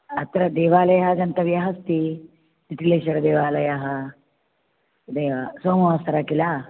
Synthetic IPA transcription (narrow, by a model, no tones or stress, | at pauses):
ɐt̪ɾɐd̪eːʋaːlɐjɐɦɐɡɐnt̪ɐʋjɐɦɐst̪i | d̪iʈ̪ileːʃɐɾd̪eːʋaːlɐjaɦɐ | d̪eːʋasoːmɐʋɐsɐɾakilaː